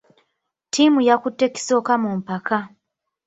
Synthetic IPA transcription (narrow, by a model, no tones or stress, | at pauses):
tʰimujakutːeki̥so̞ːkamumpaka